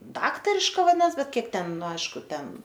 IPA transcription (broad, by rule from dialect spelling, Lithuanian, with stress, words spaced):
ˈdɑːktɐrʲɪʃkɐ ʋɐˈdʲɪnɐs ˈbʲɛt ˈkʲiɛk ˈtʲɛn ˈnʊ ˈɐɪʃkʊ ˈtʲɛn